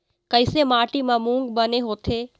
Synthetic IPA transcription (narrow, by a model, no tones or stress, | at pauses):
kɐɪsemaːʈimãmũːŋɡbɐneɦoːt̪ʰeː